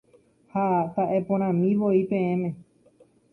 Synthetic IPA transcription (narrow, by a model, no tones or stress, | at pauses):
hat̪aʔe̞põɾ̃ãmĩʋoipẽ̞ẽmẽ